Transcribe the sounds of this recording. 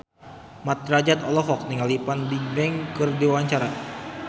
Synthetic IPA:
mat̪̚rad͡ʒat̪ɔlɔɦɔk̚niŋalipandibɛŋkɨrdiwawaɲt͡ʃaɾa

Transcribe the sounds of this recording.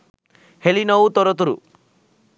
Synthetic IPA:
helinɔwt̪ɔɾɔt̪uɾṵ

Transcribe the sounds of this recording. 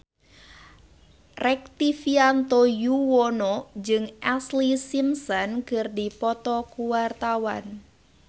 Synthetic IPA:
rɛk̚t̪ifiant̪ojuwɔnɔd͡ʒɨŋʔɛslisimsɔnkɨrdipɔt̪ɔkuwart̪awan

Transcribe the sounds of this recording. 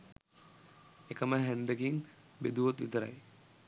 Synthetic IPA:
ekəməɦɛnd̪əkiŋ | bed̪uʋot̪ʋit̪əɾa̰j

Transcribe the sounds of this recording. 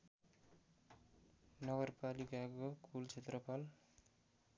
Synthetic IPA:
nʌɡʌrpalikakokult͡sʰet̪rʌpʰʌl

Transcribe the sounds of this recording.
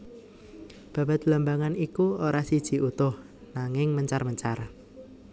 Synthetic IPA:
b̥ä̤b̥a̤t̪ləmbaŋanikuoɾasid̥ʒ̥i̤ʔut̪ʊh | naŋɪŋməɲt͡ʃarməɲt͡ʃar

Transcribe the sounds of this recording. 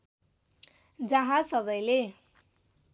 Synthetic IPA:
d͡zʌɦãsʌbʌjle

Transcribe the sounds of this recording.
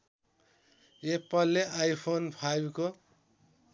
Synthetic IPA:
epʌlːeajpʰonpʰajbko

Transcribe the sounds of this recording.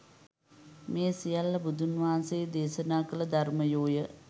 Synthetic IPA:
meːsijɐlːɐbud̪ʱunʋaːsed̪eːsɐnaːkɐlɐd̪ʱɐrmɐjoːjə

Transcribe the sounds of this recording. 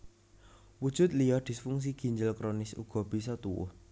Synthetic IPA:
wud̥ʒ̥ʊ̤t̪̚lijɔd̪̥i̤sfuŋs̬iɡ̥i̤ɲd͡ʒəlkɾonɪsṵɡ̥ɔ̤b̥i̤sɔt̪uwʊ̰h

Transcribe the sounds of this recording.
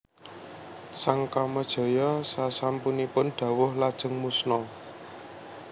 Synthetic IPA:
saŋkaməd̥ʒ̥ɔ̤jɔsasampunipʊnɖ̪̥a̤wʊhlad̥ʒ̥ə̤ŋmusnɔ

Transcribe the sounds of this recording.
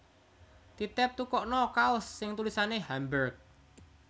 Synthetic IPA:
t̪it̪ɛp̚t̪ukɔʔnɔkaʊsːɪŋt̪ulisaneɦambərk̚

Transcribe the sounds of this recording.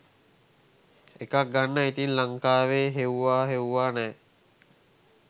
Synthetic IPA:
ekak̚ɡanːəit̪inlaŋkaːʋeːɦeuʋaːɦeuʋaːnɛː

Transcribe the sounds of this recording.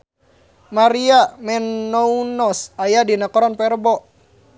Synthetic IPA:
maɾiamɛnːɔunɔsajadinakoɾanpɛrbɔ

